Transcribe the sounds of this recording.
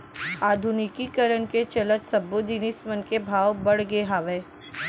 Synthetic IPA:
aːd̪ʱʊnɪkikɐɾəɳket͡ʃɐlət̪sɐbːod͡ʒinɪsmənkebʱaːʋbɐɽɡeɦaːʋeː

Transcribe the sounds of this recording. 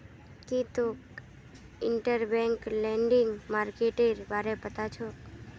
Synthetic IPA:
kit̪ũ | ɪɳʈəɾbɛ̃ŋklɛ̃ɳɖɪŋɡmaːɾkeʈeɾbaːɾepət̪at͡ʃʰo

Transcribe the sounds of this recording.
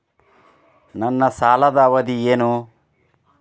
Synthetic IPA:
nɐnːɐsaːlɐd̪ɐːʋɐd̪ieːnu

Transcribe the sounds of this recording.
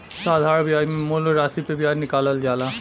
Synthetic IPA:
saːd̪ʱaɾbiamoloɾasipebianikalɐld͡ʒaːla

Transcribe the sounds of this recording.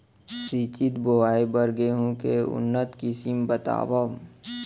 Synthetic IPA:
sɾiːt͡ʃɪt̪boaːibəɾɡeɦũkeʊ̰nːət̪kɪsimbət̪a̰ːʋə

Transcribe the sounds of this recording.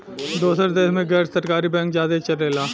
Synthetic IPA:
d̪oːsəɾd̪eːsmẽɡɛːɾsɐɾkaːɾibɛ̃ːŋk̚d͡ʒaːd̪et͡ʃɐɾeːlaː

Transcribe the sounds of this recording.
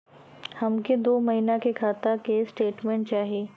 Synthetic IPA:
hɐmked̪oːmɐɦiːnakekʰaːt̪akesʈeːʈmẽɳʈ̚t͡ʃaːɦieː

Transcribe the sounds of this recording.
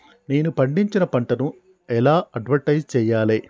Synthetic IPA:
neːnupɐɳɖiɲt͡ʃinɐpɐɳʈɐnu | ɛlaːɐɖʋɐɳʈɐjd͡ʒt͡ʃɛːjːaːleː

